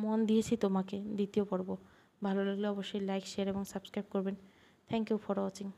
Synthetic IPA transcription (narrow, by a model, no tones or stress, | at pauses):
mond̪iet͡ɕʰit̪omaked̪it̪iopoɾbo | bʱaloloɡleɔboʃːojlajkʃeaɾeboŋsabskɾajb̚koɾben | t̪ʰɛŋkjufɔɾoat͡ɕiŋ